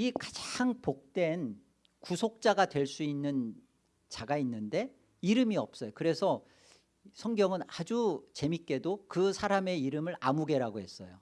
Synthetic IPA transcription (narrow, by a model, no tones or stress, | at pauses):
ikad͡ʑaŋpok̚t͈we̞n | kusʰok̚t͡ɕ͈aɡadwe̞ɭs͈uinːɯn | t͡ɕaɡainːɯnde̞ | iɾɯmiʌp̚s͈ʌjokɯɾe̞sʰʌ | sʰʌŋɡjʌŋɯnad͡ʑut͡ɕe̞mik͈e̞dokɯsʰaɾame̞iɾɯmɯɾamuɡe̞ɾaɡoɦe̞s͈ʌjo